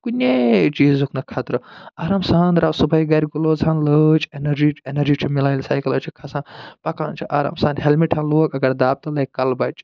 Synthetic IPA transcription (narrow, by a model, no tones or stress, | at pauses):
kunʲet͡ʃiːzukʰnɐkʰɐt̪ɾɨaːɾɐmsaːnd̪ɾaːwsubɐjɡɐɾʲɡuloːzʰanlət͡ʃenɐɾd͡ʒiːt͡ʃenɐɾd͡ʒiːt͡ʃʰimilaːjlsaːjkɐlɐt͡ʃʰikʰɐsãːpɐkaːnt͡ʃʰiʔaːɾa̰msãːnɦelmiʈʰaːnloːkɐɡɐɾd̪aːb̚t̪ɐlɐjkɐlbɐt͡ʃʰ